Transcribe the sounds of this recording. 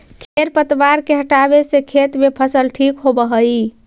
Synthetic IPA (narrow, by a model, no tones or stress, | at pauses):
kʰeɾpət̪baɾkeɦəʈabesekʰet̪mepʰəsəlʈʰikɦobəɦəi